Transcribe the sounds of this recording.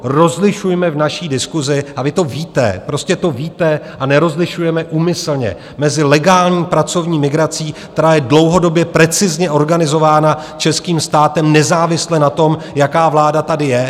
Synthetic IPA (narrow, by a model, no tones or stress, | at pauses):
ɾo̞zlɪʃujmɛvnaʃiːdɪskuzɪʔavɪt̪o̞viːt̪ɛ̰pɾo̞scɛt̪o̞viːt̪ɛʔanɛɾo̞zlɪʃujɛmɛʔuːmɪsl̩ɲɛ̰ | mɛzɪlɛɡaːlɲiːpɾat͡so̞vɲiːmɪɡɾat͡siːkt̪ɛɾaːjɛdlo̞wɦo̞do̞bjɛpɾɛt͡sɪzɲɛʔo̞ɾɡanɪzo̞vaːna | t͡ʃɛskiːmst̪aːt̪ɛmnɛzaːvɪslɛnat̪o̞m | jakaːvlaːdat̪adɪjɛ